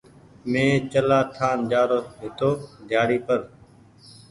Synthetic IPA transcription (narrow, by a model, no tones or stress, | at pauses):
mẽːt͡ʃəlaːt̪ʰaːnd͡ʒaːɾoːɦɪt̪oːd̪ʱjaːɽiːpəɾ